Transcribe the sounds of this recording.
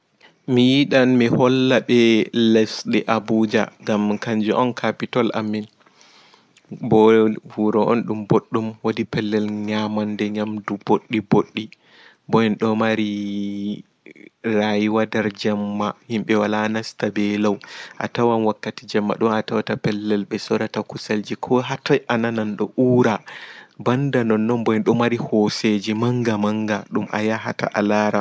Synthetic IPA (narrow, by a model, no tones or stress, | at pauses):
mijiɗanmihɔlːaɓɛlɛsɗɛʔabud͡ʒa̰ɡamkaɲd͡ʒuʔɔnkʰapitɔla̰mːin | bɔvuɾɔʔɔnɗumboɗːumwodipɛlːɛlɲamandɛɲamduboɗːiboɗːi | bɔɛnɗɔmaɾi | ɾajiwadaɾd͡ʒamːahimɓɛwalanastabɛlawʔa̰tawanwakːatid͡ʒɛmːa̰ɗumatawatapɛlːɛlɓɛsɔɾatakusald͡ʒikʰɔɦatajʔanananɗɔʔuːɾabandanɔnːɔnbɔjɛnɗɔmaɾihɔsed͡ʒimaŋɡamaŋɡaɗumʔa̰jaɦata̰ʔalaɾa